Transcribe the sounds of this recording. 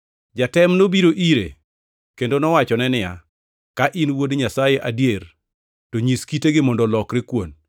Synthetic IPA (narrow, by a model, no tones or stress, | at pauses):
d͡ʒatɛmnobiɾoʔiɾḛ | kendonɔwat͡ʃɔnɛnɪja | kaʔinwodɲasajeʔadjer | toɲiskiteɡɪmɔndɔlɔkɾɪkwon